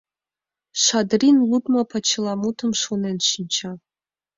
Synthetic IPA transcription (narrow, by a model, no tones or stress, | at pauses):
ʂʷadrinludmapʰat͡ʃʰɪlamutʰɨmʂunent͡ʃʰɪnt͡ʃʰa